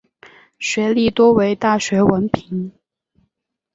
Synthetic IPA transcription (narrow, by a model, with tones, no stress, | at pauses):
ɕɥɛ˧˥li˥˩t̪wɔ˥we˧˥ɪt̪a˥˩ɕɥɛ˧˥wə˧˥npʰi˧˥ŋ